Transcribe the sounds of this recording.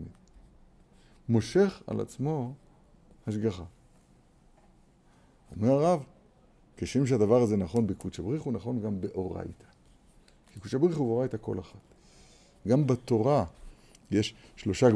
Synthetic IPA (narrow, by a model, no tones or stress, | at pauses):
i | mo̞ʃe̞χa̰la̰t͡smo̞ | haʃɡaχa | omeʁaʁav | keʃimʃ̬ead̪avaʁazenaχo̞nbekut͡ʃabʁiχunaχo̞nɡambe̞ʔo̞ʁa̰jt̪ʰḁ | kikut͡ʃabʁiχuveo̞ʁajt̪ako̞̰laχat | ɡambat̪o̞ʁa | jeʃʃlo̞ʃa